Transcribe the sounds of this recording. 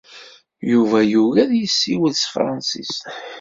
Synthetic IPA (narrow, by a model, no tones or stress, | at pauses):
juvæjuɣæðjəsːiwəlsfɾˤɑnsḭst̪